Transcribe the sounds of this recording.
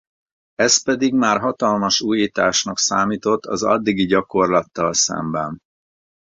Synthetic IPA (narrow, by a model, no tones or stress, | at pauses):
ɛspɛd̪iɡmaːrɦɒt̪ɒlmɒʃuːjit̪aːʃnɒksaːmiːt̪o̞t̪ːɒzɒ̰d̪ːiɡiɟɒko̞rlɒt̪ːɒlsɛ̰mbɛn